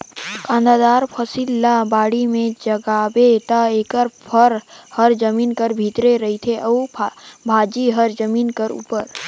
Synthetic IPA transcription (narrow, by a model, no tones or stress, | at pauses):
kãːnd̪ad̪aːɾpʰəsilːabaːɽimẽd͡ʒəɡaːbet̪aeːkəɾpʰəɾhəɾd͡ʒəmiːnkəɾbʱit̪ɾeɾəɦit̪ʰeʔəːbʱaːd͡ʒiɦəɾd͡ʒəmiːnkəɾṵːpəɾ